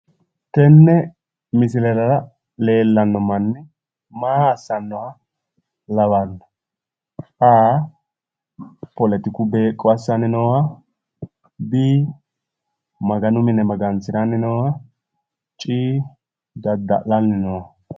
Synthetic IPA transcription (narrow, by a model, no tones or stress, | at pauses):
t̪ɛnːɛ | mɪsɪlɛlɐɾɐ | le̞ːlːɐnːɔmɐnːɪ | maːsːɐnːɔwɐ | lɐwanɐ | aː | pɔlɛt̪ɪkʊbe̞ːkʼːɔɐsːɐnɪnɔwa | biː | mɐɡɐnʊmɪnɛmɐɡɐnsɪɾanɪnɔwa | t͡ʃʼiː | ɡ̪ɐd̪ːɐ̰lɐlnɪnɔwa